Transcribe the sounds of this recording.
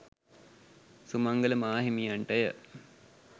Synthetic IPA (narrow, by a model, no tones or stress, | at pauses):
sumaŋɡələmaːɦimijaɳʈəjə̰